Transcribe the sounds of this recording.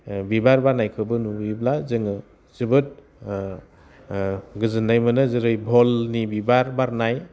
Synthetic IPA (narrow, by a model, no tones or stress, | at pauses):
bibaɾbaɾnajkʰɯbɯnuiblazɯŋɯ | zɯbɯt̚ | ɡɯzɯnːajmɯnɯzɯɾɯjbʱolnibibaɾbaɾnaj